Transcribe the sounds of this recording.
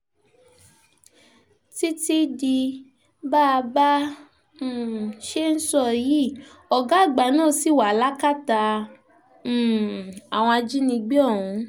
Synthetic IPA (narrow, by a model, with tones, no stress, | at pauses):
ti˦ti˦di˧ | baː˦˧bã˦˨ | ʃe˦n̩˦sɔ˦˨ji˦˨ | ɔ˨ɡa˨˦˨ɡ͡ba˨˦nãː˦˨si˦˨wa˨la˦ka˦˨ta˧˨ | a˨w̃ɔ̃˧d͡ʒi˦nĩ˧ɡ͡be˦ɔ̃˦˨ũ˨˧˦